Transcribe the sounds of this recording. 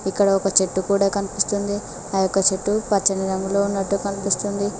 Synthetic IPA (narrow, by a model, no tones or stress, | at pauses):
ikːɐɽɐɔkɐt͡ʃe̞ʈːukuːɽaːkɐnipist̪und̪i | ɐjɔkːɐt͡ʃe̞ʈːupɐt͡ʃːɐniɾɐŋɡuloːunːɐʈːukɐnipist̪und̪i